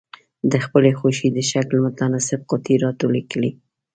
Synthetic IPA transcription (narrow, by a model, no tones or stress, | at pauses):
d̪əxpəlexoʃid̪əʃaklmʊt̪anɑsɪb̚qʊt̪iɾɑt̪olikəli